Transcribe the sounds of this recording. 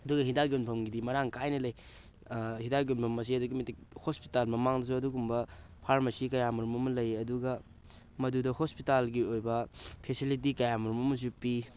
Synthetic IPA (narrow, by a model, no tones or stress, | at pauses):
ɐduɡɐhidaɡionpʰɐmɡidimɐɾaŋkajnɐlɐj | hidaɡjonpʰɐmɐs̬iɐduɡimɐtik̚hospitalmɐmaŋdɐsuɐduɡumbɐpʰaɾmɐsikɐjamuɾumɐmɐlɐjɐduɡɐ | mɐdudɐhospitalɡiojbɐpʰesilit̬ikɐjamɐɾumɐmɐzupːi